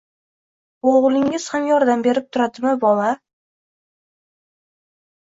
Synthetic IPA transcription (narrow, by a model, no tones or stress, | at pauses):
oʁlˠɪŋɪz̥hamjɒɾd̪ambe̞ɾɪp̚t̪ʰʊɾad̪ɪmɪbɒla